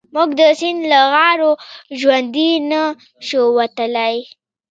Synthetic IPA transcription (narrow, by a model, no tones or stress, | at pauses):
mʊɡd̪əsɪnlaɣɑɾoʒwand̪ina | ʃəwat̪əlaj